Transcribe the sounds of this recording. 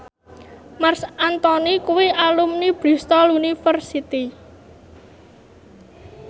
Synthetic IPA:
marsant̪ɔnikuwiʔalumnib̥ɾi̤st̪ɔlunifərsit̪i

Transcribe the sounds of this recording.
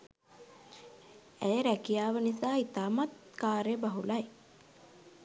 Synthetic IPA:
æjəɾækijaːʋənisaːit̪aːmat̪ | kaːɾeəbaɦulɐj

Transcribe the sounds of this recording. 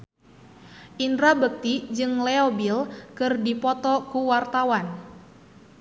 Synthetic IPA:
ʔindɾabək̚t̪id͡ʒɨŋleobilkɨrdipɔt̪ɔkuwart̪awan

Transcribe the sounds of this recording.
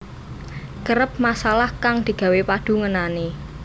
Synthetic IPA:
kəɾəp̚masalahkaŋd̪̥i̤ɡ̥ä̤wepad̥ṳŋənane

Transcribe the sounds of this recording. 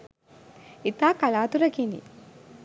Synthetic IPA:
it̪aːkalaːt̪uɾəkinḭ

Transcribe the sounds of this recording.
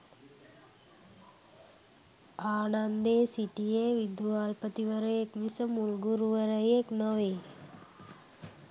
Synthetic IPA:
aːnand̪eːsiʈijeːʋid̪uʋaːlpət̪iʋəɾəjekʋisɐmulɡuɾuʋəɾəjeknəʋeː

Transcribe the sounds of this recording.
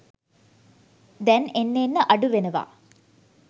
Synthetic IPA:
d̪ɛnenːeːnːəʔɐɖuʋenəʋa̰ː

